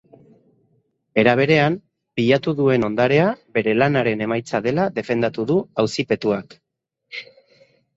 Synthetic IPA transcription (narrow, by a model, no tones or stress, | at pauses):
e̞ɾaβ̞e̞ɾe̞am | piʎat̪uðue̞no̞nd̪aɾe̞abe̞ɾe̞lanaɾe̞ne̞majt͡saðe̞laðe̞fe̞nd̪at̪uðuawsipe̞t̪uak